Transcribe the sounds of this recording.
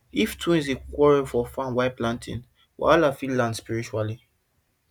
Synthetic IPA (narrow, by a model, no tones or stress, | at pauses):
iftʰũnzekwɔɹɛfɔfãnwaɪplãntʰḭ̃n | wa̰lafillːãnspiɹit͡ʃuali